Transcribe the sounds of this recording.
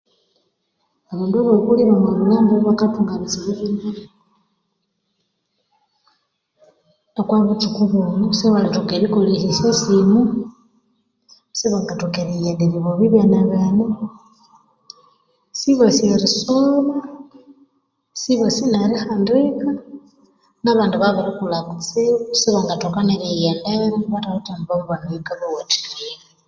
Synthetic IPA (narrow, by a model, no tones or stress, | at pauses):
aβundoβokuliβamalulambiββakapuŋɡanit͡siβiβina | nokwaβutukuβonusewalitokeɾikolisisesimu | seβaŋɡatokeɾijendeɾiβoβiβjanaβana | siβasieɾisoβa | siβasinaɾixandika | naβaːnduβaβaɾikulakut͡sisiβaŋɡatokaneɾijendeɾiβatahutamiβaβuβaniikaβawati̥lia